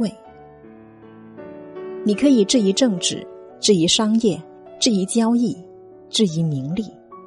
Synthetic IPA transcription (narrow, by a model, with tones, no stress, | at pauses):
we˥˩ɪ | ni˨˩kʰɤ˧˥i˨˩ʈ͡ʂɻ̩˥˩i˧˥ʈ͡ʂɤ˥˧ŋʈ͡ʂɻ̩˥˩ | ʈ͡ʂɻ̩˥˩i˧˥ʂɑ˥ŋjɛ˥˩ | ʈ͡ʂɻ̩˥˩i˧˥t͡ɕjɑ˥ʊi˥˩ | ʈ͡ʂɻ̩˥˩i˧˥mi˧˥ŋli˥˩